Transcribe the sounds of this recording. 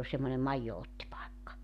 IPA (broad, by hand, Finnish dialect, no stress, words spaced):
ol semːone mɑijːootːipɑekːɑ